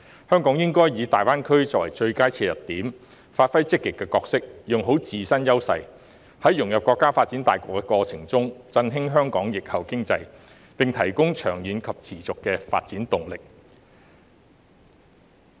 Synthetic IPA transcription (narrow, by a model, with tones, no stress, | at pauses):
hœː˥ŋkɔː˨˥ŋjɪ˥ŋkɔː˥jjiː˨˧t̪aː˨jwaː˥nkʰɵ˥ɥt͡sɔː˧˥k̚wɐ˨˩jt͡ʃɵ˧ɥkaː˥jt͡sʰɛː˧jɐ˨˩tt̪iː˨˥m | faː˧t̚fɐ˥jt͡sɪ˥kːɪ˨kːɛː˧kɔː˧ksɪ˥k̚jʊ˨˩ŋɦo˨˥wt͡siː˨sɐ˥njɐ˥wsɐ̰˧j | hɐ˨˥jʊ˨˩ŋjɐ˨p̚kʷɔː˧kːaː˥faː˧t̚t͡siː˨˥nt̪aː˨jkɔː˧kːɛ˧kɔː˧t͡sʰɪ˨˩ŋt͡sʊ˥ŋt͡sɐ˧nɦɪ˥ŋɦœː˥ŋkɔː˨˥ŋjɪ˨k̚hɐ˨wkɪ˥ŋt͡sɐ˧j | pɪ˨ŋt̪ʰɐ˨˩jkʊ˥ŋt͡ʃʰœː˨˩ŋjiː˨˧nkʰɐ˨p̚t͡sʰiː˨˩t͡sʊ˨kːɛː˧fa̰ː˧t̚t͡siː˨˥nt̪ʊ˨ŋlɪ˨k̚